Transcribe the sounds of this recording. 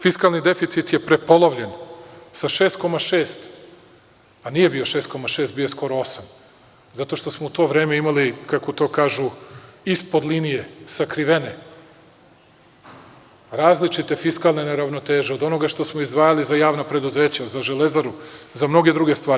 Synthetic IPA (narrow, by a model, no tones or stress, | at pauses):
fiskalˠnid̪e̞fit̪sit̪je̞pɾe̞po̞lˠoʋʎensaʃe̞ːst̪̚ko̞maʃe̞ːst̪ | aniːje̞bijo̞ʃest̪̚ko̞maʃe̞ːst̪bijosko̞ɾo̞o̞sam | zat̪o̞ʃt̪o̞smout̪o̞ːʋɾe̞ːmeimalikako̞t̪o̞ːkaːʒuispo̞d̪linije̞sakɾiʋene̞ | ɾaːzlit͡ʃit̪e̞fiskalˠneneɾaʋno̞t̪eːʒeod̪o̞no̞ɡaʃt̪o̞smoizd̪ʋaːjalizajaːʋnapɾe̞d̪uze̞ːt͡ɕazaʒe̞le̞zaɾuzamno̞ɡe̞d̪ɾuɡe̞st̪ʋaːɾi